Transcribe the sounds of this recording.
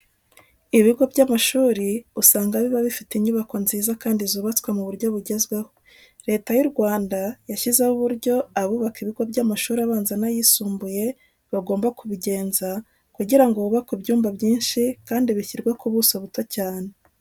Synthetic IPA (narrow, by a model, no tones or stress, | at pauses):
iβiɡo̞bɟamaʃuːɾiusaːŋɡaβiβaβifitiɲuβako̞nziːzakaːndizuːβat͡swemuβuɾɟo̞βuɟe̞zɡwe̞ho̞ | ɾe̞ːtajuɾɡwaːndajaçizeβuβuɾɟo̞aβuːβakiβiɡo̞bɟamaʃuːɾiaβaːnzanajisuːmbuje̞ | βaɡo̞ːmbakuβiɟe̞ːnza | kuɟiɾaŋɡo̞βuβakubjuːmbabjiːnʃikaːndiβiçiɾɡwakuβusoβuto̞caːne̞